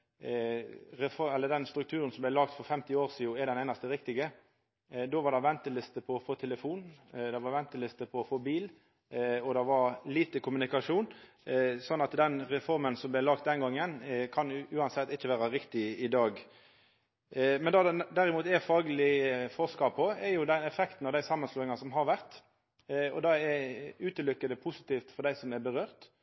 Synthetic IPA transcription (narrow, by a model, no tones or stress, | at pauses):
ɾɛfɔɛlːəɖ̪ɛnst̪ɾʉk̚t̪ʰʉːɾənsɔmblæɪlɑːɡ̚t̪fɔɾfɛmt̪ɪoːʁsiːʊɛɖ̪ɛneːnɑst̪əʁɪk̚t̪ɪɡə | d̪oːʋɑɾd̪ɑʋɛnt̪əlɪst̪əpʰɔːfoːt̪ʰɛləfuːnd̪ɑʋɑʋɛnt̪əlɪst̪əpʰɔːfoːbiːl | ɔd̪ɑʋɑɾliːt̪əkʰʊmʉnɪkɑʂuːn | sɔnːɑt̪d̪ɛnʁɛfɔɾmənsɔmblælɑːɡ̚t̪̚d̪ɛnɡɑŋːənkʰɑnʉːɑnsɛt̪ːɪçːəʋæːɾɑɾɪkt̪ɪɪd̪ɑːɡ | mɛnd̪ɑd̪æɾɪmuːt̪ɛfɑːɡəlɪfɔʁskɑpʰɔɛɾjʊd̪ɛnɛfɛkt̪n̩ɑʋd̪æɪsɑmːənsluːɪŋɑsɔmɦɑɾʋæʁt̪ | ɔ̰d̪ɑɛɾʉːt̪əlʏkːəd̪əpʰʊsɪt̪ʰiːft̪fɔɾd̪æɪsɔmɛɾbəɾøːʁt̪